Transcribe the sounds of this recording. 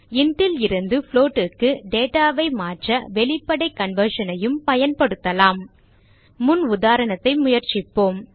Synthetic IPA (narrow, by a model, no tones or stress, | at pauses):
ɪnɖɪlɪɾɯnd̪ɯfɭoːʈːɯkːɯɖeːʈaːʋɐɪmaːʈrɐʋɛɭɪpːɐɽɐɪkːɐnʋɐɾʂɐnɐjɯmpɐjɐnpɐɽɯt̪ːɐlaːmː | ʊnʊðaːɾɐnɐt̪ːɐɪmʊjɐɾt͡ʃɪpːoːm